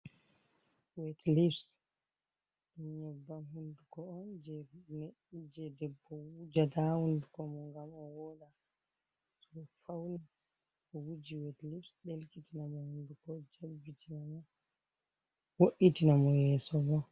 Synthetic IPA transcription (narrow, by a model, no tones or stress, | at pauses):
wɛtlifs | ɛɲɛbːamɦundukɔːnd͡ʒɛ | d͡ʒɛdɛbːɔud͡ʒatahundukɔmɔŋɡamɔwɔɗa | sɔɛfawni | ʔɔwud͡ʒiwɛtlifsɗelkitinamɔhundukɔd͡ʒebitʰinamɔ | woʔitinamɔjɛsɔbɔ